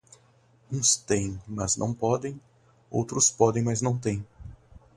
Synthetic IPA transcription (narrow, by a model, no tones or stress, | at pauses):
ũst̪ẽj̃mɐznɐ̰̃w̃pɔd̪ẽj̃ | o̰wt̪ɾʊspɔd̪ẽj̃mɐznɐ̃w̃t̪ẽj̃